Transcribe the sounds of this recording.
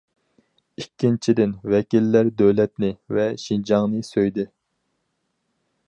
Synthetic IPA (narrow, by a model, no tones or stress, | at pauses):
ikʲʰːint͡ʃʰid̪ɪnvɛkʲilːæɾd̪øwlɛt̪nɪvɛʃind͡ʒɑŋnɨsøjd̪ɪ